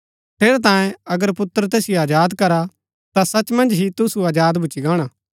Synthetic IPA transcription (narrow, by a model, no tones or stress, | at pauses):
t̪ʰeːɾɛt̪ãːjẽɐɡəɾpʊt̪ːəɾt̪eːsijoaːd͡ʒaːd̪kɐɾa | t̪asɐt͡ʃmɐ̃nd͡ʒɦit̪ʊsuaːd͡ʒaːd̪bʱʊt͡ʃiɡãːɽ̃aː